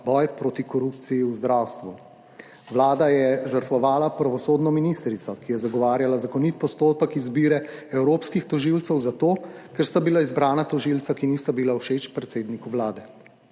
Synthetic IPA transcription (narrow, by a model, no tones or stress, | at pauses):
bɔjpɾoːt̪ikɔɾup̚t̪sijiuzd̪ɾawst̪ʋu | ʋlaːd̪ajɛʒəɾt̪ʋɔʋaːlapɾaʋɔsoːd̪nɔminiːst̪ɾit̪sɔkijɛzaɡɔʋaːɾjalazakɔnit̪̚pɔst̪oːpəkizbiːɾɛɛwɾoːpskixt̪ɔʒilt̪səwzat̪oːkɛɾst̪abilaizbɾaːnat̪ɔʒilt̪sakiniːst̪abilauʃet͡ʃpɾɛt̪seːd̪nikuʋlaːd̪ɛ